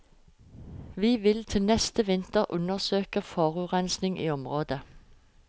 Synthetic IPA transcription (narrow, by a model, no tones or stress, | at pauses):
ʋiːʋɪlt̪ʰɪlnɛst̪əʋɪnt̪əʁʔʉnəʁsøːkəfɑːʁʉːʁɛnsnɪŋʔḭːɔmʁoːd̪ə